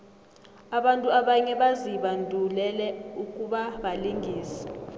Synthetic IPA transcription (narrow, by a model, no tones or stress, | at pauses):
aɓantʼuaɓaɲɛɓaziɓandʱulɛlɛukʼuɓaɓaliŋɡʱiːsi̥